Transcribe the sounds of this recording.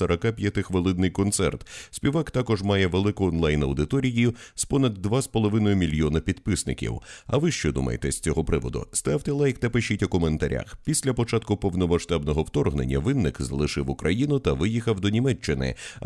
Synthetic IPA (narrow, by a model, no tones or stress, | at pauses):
ɐɾɐkapʲjɐt̪ɪxʋɐlˠɪd̪nɪjkɔnt̪sɛ̰rt̪sʲpʲiʋakt̪akɔʒmajɛʋelˠɪkʊɔnlˠajnɐwd̪ɪt̪ɔɾʲijijʊspɔnɐd̪ːʋaspɔlˠɔʋɪnɔjʊmʲilʲjɔnɐpʲid̪pɪsnɪkʲḭwɐ̰ʋɪʃt͡ʃɔd̪ṵmɐ̰jḛt̪ɛsʲt͡sʲɔɦɔpɾɪʋɔ̰d̪ʊ̰st̪awt̪ɛlˠajkt̪ɐpɪʃitʲʊkɔment̪ɐɾʲʔa̰xpʲisʲlʲɐpɔt͡ʃat̪̚kʊpɔwnɔmɐʃt̪abnɔɦɔwt̪ɔrɦnḛnʲːɐ̰ʋɪnːɪkzɐlˠɪʂɪwʊkɾʔɐjinʊt̪ɐʋɪjixɐwd̪ɔnʲimɛt͡ʃːɪnɪ̰